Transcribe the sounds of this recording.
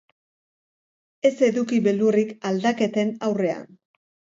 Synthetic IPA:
e̞se̞ðukiβe̞lurikald̪ake̞t̪e̞nawre̞a̰n

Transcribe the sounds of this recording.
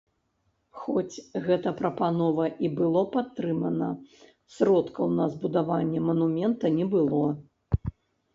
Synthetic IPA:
xɔt͡sʲɣɛt̪ɐpɾɐpanɔvɐʔibɨlˠɔpat̪ːɾɨmɐnɐ | sɾɔt̪kɐwnɐzbud̪avanʲːɛmɐnumʲɛnt̪ɐnʲɛbɨlˠɔ

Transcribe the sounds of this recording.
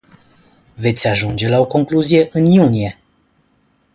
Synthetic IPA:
ve̞t̪sʲaʒund͡ʒe̞lao̞ko̞ŋkluzije̞ʔɨnjunije̞

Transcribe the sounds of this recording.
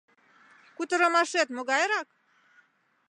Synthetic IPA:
kut̪ə̆ɾəmɑʃet̪moɣɑjɾɑk̚

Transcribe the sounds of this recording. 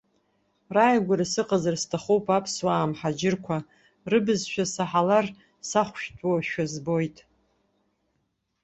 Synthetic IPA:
rajɡʷaɾasɨqʼazarstʰaχowpʼapʰswaːmħad͡ʒɪrkʷʰa | rɨbɨzʃᶣasaħalar | saχʷʃtʰʷʼwaʃᶣazbo̞jtʼ

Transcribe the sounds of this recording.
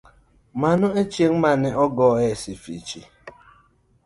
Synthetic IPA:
manʊet͡ʃem̩manɪʔɔɡɔesifḭt͡ʃḭ

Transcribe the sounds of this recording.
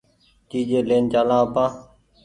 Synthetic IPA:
t͡ʃiːd͡ʒeːleːnt͡ʃaːlãːəpãː

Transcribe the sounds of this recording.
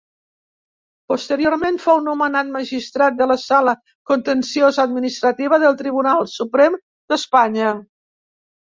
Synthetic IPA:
pust̪əɾioɾmenfownumənat̪̚maʒist̪ɾat̪̚d̪ələsalə | kunt̪ənsiozəd̪minist̪ɾət̪iβ̞əðəlˠt̪ɾiβ̞unalˠsupɾɛm | d̪əspaɲə

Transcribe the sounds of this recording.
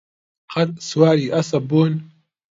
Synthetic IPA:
qʰɐt̪swaːɾiːʔɐsɐbun

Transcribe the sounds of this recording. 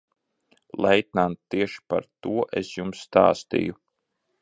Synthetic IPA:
lˠɛjt̪nanːiɛʃi̥pa̰ɾt̪uɔʔesjumsːt̪a̰ːst̪ḭːju

